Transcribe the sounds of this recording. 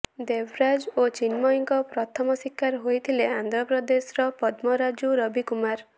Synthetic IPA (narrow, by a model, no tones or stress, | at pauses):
d̪ebʱɾad͡ʒot͡ʃinmɔjiŋkɔpɾɔt̪ʰɔmɔsikʰːaɾɦojt̪ʰileand̪ʱɾɔpɾɔd̪esɾɔpɔd̪mɔɾad͡ʒuɾʌbikumaɾ